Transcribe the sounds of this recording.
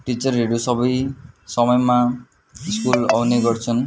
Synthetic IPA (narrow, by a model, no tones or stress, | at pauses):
ʈit͡sʌrɦeɾusʌbʌjsʌmʌjma | iskula̰wneɡʌrt͡sʰʌn